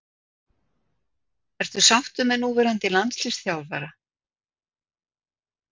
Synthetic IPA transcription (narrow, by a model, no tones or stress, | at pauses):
ɛɾ̥t̪θʏsawht̪ʏmɛnuːvɛɾant̪ɪlant̪slɪsθjawlvɛːɾa